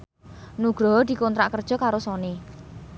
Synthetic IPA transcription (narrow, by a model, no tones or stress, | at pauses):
nuɡ̥ɾɔd̪̥i̤kont̪ɾa̰ʔkərd̥ʒ̥ɔ̤kaɾosɔne